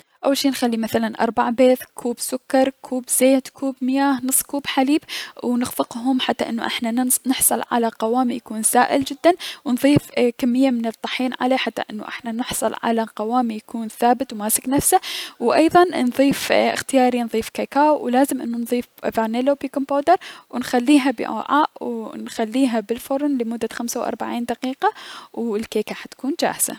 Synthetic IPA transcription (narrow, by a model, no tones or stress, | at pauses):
ʔawːalʃiːnxalːimaθalanʔɑ̰ɾˤbaʕbeːθkʰuːbsʊkːɑɾˤkʰuːbz̥eːt̪kʰuːbmɪjaːhnɨsˤːkuːbħaliːbwnɪɣfɪqɦʊmħat̪ːa̰ʔɪnːṵʔɪ̰ħnanɪħsˤɑlʕa̰laqɑwaːmijakuːnsaːʔɪ̰ld͡ʒɪd̪ːanwnðˤiːfkamːɪjːamɪnɨt̪ˤːɑħiːnʕa̰leħat̪ːa̰ʔɪnːṵʔɪ̰ħnanɪħsˤɑ̰lʕa̰laqɑwaːmijakuːnθaːbɪt̪wmaːsɪknafsawʔɑjðˤɑnnðˤiːfɪ̰xt̪ɪjaːɾinðˤiːfkaːkaːwwlaːzɪmʔɪnːunðˤiːfvanelopiːkʊmpoːd̪ɑɾˤwɪnxalːiːɦabɪ̰ʔa̰ʕaːʔwnxalːiːɦabɪlfʊɾˤnlɪmʊd̪ːaxamsawʔɑ̰ɾˤbaʕiːnd̪aqiːqawɪlkeːkaħat̪kuːnd͡ʒa̰ːhz̥a̰